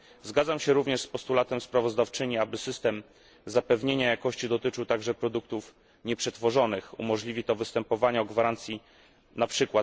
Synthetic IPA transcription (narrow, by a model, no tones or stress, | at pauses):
zɡad̪zamɕɛɾuvɲɛʂspɔst̪ulat̪ɛmspɾavɔzd̪aft͡ʂɘɲiabɘsɘst̪ɛm | zapɛvɲeɲajakɔɕt͡ɕid̪ɔt̪ɘt͡ʂɘwt̪aɡʐɛpɾɔd̪uk̚t̪uf | ɲɛpʂɛt̪fɔʐɔnɘxṵmɔʐlʲivʲit̪ɔvɘst̪ɛmpɔvaɲaɔɡvaɾant̪sʲji | napʂɘkwa